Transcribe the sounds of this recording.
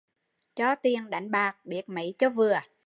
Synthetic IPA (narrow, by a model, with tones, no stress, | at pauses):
t͡ɕɔ˧˦t̪i˨˩ənɗa˨˩jŋ̟ɓaː˨˩k̚ɓi˨˩ət̚mḭ˧˥t͡ɕɔ˧vɨ˨˩ə